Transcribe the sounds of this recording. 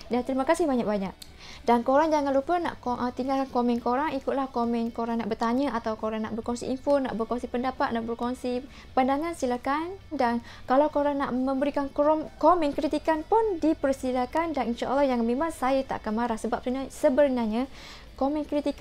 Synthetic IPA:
dat̪əɾimakasɪhbaɲak̚baɲak̚ | dankoɾaŋd͡ʒaŋãnlupəna̰ʔkʔət̪iŋɡalkankomɛnkoɾaŋikʊt̪lahkomɛnkoɾaŋnaʔbərt̪aɲaat̪awkoɾaŋna̰ʔbərkoŋsḭʔinfona̰ʔbərkoŋsipəndapat̪̚naʔbərkoŋsi | pandaŋãnsilakandan | kalawkoɾaŋnaʔmə̃mbəɾikankomɛ̃nkɾit̪ikanpʊndipərsilakandaninʃaʔəlːɔhjaŋmẽmaŋsajat̪a̰ʔakanmaɾahsəbap̚nasəbəɾnaɲa | komɛnkɾit̪ik

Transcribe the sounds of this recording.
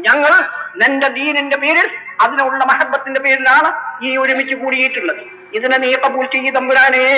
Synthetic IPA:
ɲɐŋːɐɭnended̪iːninde̞pe̞ːɾilɐðinuuɭuɭːɐmɐɦɐt̪̚bɐt̪ːinde̞pe̞ːɾilaːɳɨiːoɾumit͡ɕːukuːɽijjiʈːuɭːɐðɨ | iðineniːqɐbultːijid̪ɐmbuɾaːne

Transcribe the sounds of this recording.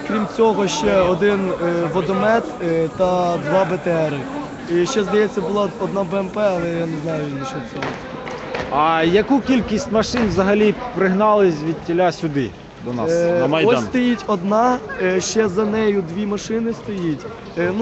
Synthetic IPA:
kɾʲimt͡sʲɔɦɔʃt͡ʃɛɔd̪ɪnʋɔd̪ɔmɛt̪t̪ɐd̪ʋɑbet̪ɛɾɪ | iʃt͡ʃɛzd̪ɐjɛt͡sʲːɐbʊlˠɑɔd̪nɑbɛɛmpɛɐlˠɛjaneznɑjʊnʲit͡ʃɔsʲɛɦɔ | ɐjɐkukʲilʲkʲisʲtʲmɐʃɪnʋzɐɦɐlʲipɾɪɦnɑlˠɪsʲʋʲid̪̚tʲːɪlʲasʲʊd̪ɪ | d̪ɔnɑ̰snɐmɐjdɔsst̪ɔjitʲɔd̪nɑʃt͡ʃɛzɐnɛjʊd̪ʋʲimɐʃɪnɪst̪ɔjitʲ | n

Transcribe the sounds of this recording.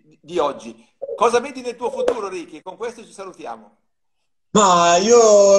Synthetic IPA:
d̪iɔd͡ʒːi | kɔːzaved̪inelt̪uofut̪uːɾoɾikekːoŋkwest̪ot͡ʃi̥salut̪ja̰ːmo | maiːo

